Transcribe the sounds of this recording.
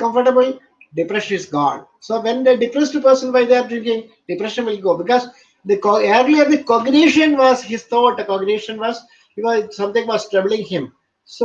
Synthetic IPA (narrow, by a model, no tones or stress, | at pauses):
kʌ̃mfəɾʈəbl̩i | ɖɪpɾɛʃə̃nɪsɡɔ̰ːɖ | soːʋɛ̃nd̪eɖɪpɾɛsʈupəɾsə̃nbaɪd̪eɾ̚ɾɪ̃ŋkɪ̃ŋ | ɖɪpɾɛʃə̃nʋɪlɡoːbɪkɔːz | d̪əkːɛɾliɔɾd̪ikɔɡneːʃə̃nʋɔːzhɪst̪ʰɔːʈd̪ɐkɔːɡneːʃə̃nʋɔːz | jikɔsʌ̃mt̪ɪ̃ŋʋɔːzʈɾɛʋəlɪ̃ŋhɪ̃m | so